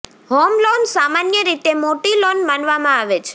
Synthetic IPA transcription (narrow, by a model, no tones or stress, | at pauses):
homlonsamanjəɾit̪emoʈilonmanʋamãaʋet͡ʃʰ